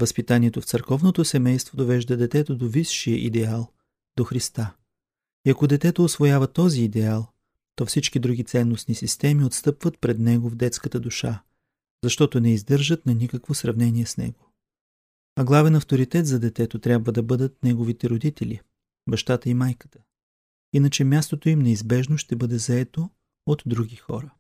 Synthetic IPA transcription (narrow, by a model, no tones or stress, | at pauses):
vɐspit̪aniɛt̪oft̪səɾkɔvnot̪osɛmɛjst̪vod̪ovɛʒd̪əd̪ɛt̪ɛt̪od̪ovisʃijəʔḭd̪ɛalˠ | d̪oxɾist̪a | iɐkod̪ɛt̪ɛt̪oosvojavɐt̪ɔziːd̪ɛalˠ | t̪ɔfsit͡ʃkid̪ɾuɡʲit̪sɛnːosnisist̪ɛmiot̪st̪ɤpvət̪̚pɾɛd̪nɛɡovd̪ɛt̪skət̪əd̪uʃa | zɐʃt̪ɔt̪onɛizd̪ɤɾʒət̪nɐnikəkvosɾɐvnɛniɛsnɛ̰ɡo | ɐɡlˠavɛnɐft̪oɾit̪ɛt̪zɐd̪ɛt̪ɛt̪ot̪ɾʲjabvəd̪ɐbɤd̪ət̪̚nɛɡovit̪ɛɾod̪it̪ɛlʲḭ | bɐʃt̪at̪əimajkə̥t̪ə̥ | inət͡ʃɛmʲjast̪ot̪oimnɛizbɛʒnoʃt̪ɛbɤd̪ɛzɐɛt̪o | ot̪ːɾuɡʲixɔ̰ɾə